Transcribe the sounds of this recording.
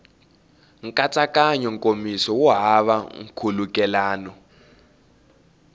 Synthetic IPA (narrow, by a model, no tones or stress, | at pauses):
ŋ̩kʼat͡sʼakʼaɲɔŋkʼomisɔwɔɦaβa̰ŋ̩kʰulukʼɛlaːnɔ